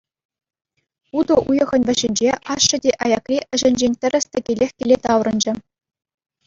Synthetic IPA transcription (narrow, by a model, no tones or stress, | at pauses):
ud̪ɤ̆ʔujɤ̆ʁɤ̆nʲʋʲɘ̆ɕɘ̆nʲd͡ʑeʔɑʂːɤ̆dʲeʔɑjɑkrʲiʔɘ̆ʐɘ̆nʲd͡ʑenʲtʲɘ̆rʲɘ̆sʲt̪ʲɘ̆kʲelʲexʲkʲelʲet̪ɑwrɤ̆nd͡ʑɘ̆